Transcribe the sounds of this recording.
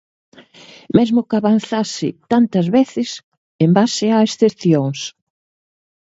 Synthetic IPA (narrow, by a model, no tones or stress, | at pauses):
mɛzmʊkaβan̟θasɪt̪ant̪ɐzβeθɪs | embasɪaesθepθjoŋs